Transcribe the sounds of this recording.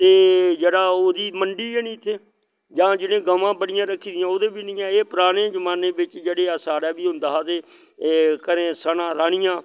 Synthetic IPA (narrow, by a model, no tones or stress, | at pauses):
t̪eːd͡ʒeːɽaːoːd̪iːməɳɖiːeːnĩːt̪ʰeː | d͡ʒãːd͡ʒɪnẽːɡəmãːbəɽɪjãːɾəkʰːiːd̪ɪjãːoːd̪eːbiːnĩːɛːeːpɾaːɽ̃ẽːd͡ʒəmaːneːbɪt͡ʃd͡ʒeːɽeːaːsaːɽaːbiːɦʊ̃nd̪aːad̪eː | kəɾẽːsənãːɾaːɳɪjãː